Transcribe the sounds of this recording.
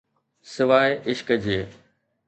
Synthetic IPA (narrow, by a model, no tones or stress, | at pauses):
sɪʋaːeʔɪʃkəd͡ʑeː